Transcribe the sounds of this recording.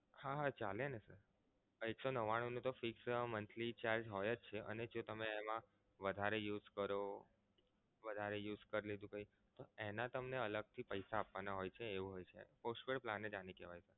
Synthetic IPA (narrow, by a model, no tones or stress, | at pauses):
haɦat͡ʃalenesəɾ | eksonəʋaɽ̃onũt̪ofɪksmənt̪ʰlit͡ʃaɾd͡ʒɦɔjət͡ʃt͡ʃʰeʔə̰ned͡ʒot̪əmeːmã | ʋəd̪ʱaɾejuzkəɾo | ʋəd̪ʱaɾejuzkəɾled̪ũkəɦi | t̪oenat̪əmneələɡ̚t̪ʰipəjsaːpʋanaɦojt͡ʃʰeːʋũɦojt͡ʃʰḛposʈʋeɭplãnːed͡ʒanikɛʋajsʰə